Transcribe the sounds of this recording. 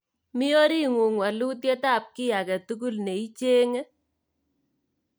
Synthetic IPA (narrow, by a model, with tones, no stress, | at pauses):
mi˦o˦ɾi˦ŋu˨ŋwa˨lu˦t̬je˦ta˦p̚ki˦ja˨kɛ˨tu˦ku˦lne˨i˦t͡ʃe˦ŋe˦